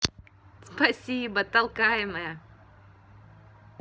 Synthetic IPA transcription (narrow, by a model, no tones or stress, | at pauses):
spɐsʲibət̪ɐlˠkajɪməjə